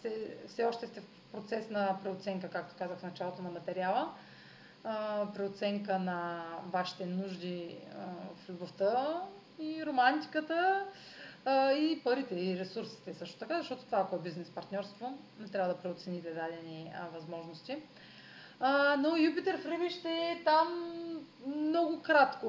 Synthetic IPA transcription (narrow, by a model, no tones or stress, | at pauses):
sɛfsɛɔʃt̪ɛst̪ɛf | pɾot̪sɛsnɐpɾɛot̪sɛŋkəkak̚t̪o̥kazəxfnɐt͡ʃalˠot̪onɐmɐt̪ɛɾialˠə | pɾiot̪sɛŋkənɐvaʃi̥t̪ɛnuʒd̪iəflʲuboft̪ə | iɾomant̪i̥kət̪ə | ipɐɾit̪ɛiɾɛsuɾsi̥t̪ɛsɤʃt̪ot̪ɐkazɐʃt̪ɔt̪o̥t̪ovaːkoɛbiznɛspɐɾt̪nʲɔɾst̪vonɛt̪ɾʲavəd̪ɐpɾɛot̪sɛnit̪ɛd̪ad̪ɛnivɐzmɔʒnost̪i | nojupit̪ɛɾfɾɛbiʃt̪ɛt̪am | mnɔɡʊkɾat̪ko